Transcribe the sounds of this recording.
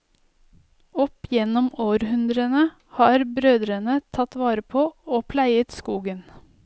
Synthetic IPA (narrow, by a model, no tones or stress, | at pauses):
ɔpjɛnɔmoːɾhʉnd̪ɾənə | hɑːɾbɾøːd̪ɾənət̪ʰɑt̪ʋɑːɾəpʰoːoːpʰlæɪət̪skuːɡən